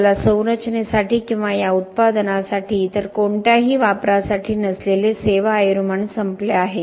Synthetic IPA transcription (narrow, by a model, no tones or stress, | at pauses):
lasəwɾət͡ʃnesaʈiːkĩw̃ʋajaut̪̚pad̪nasaʈʰiːt̪əɾkoɳʈjaɦiːʋapɾasaʈʰiːnəsleleseʋaːjɾuməɳsəmpleaɦe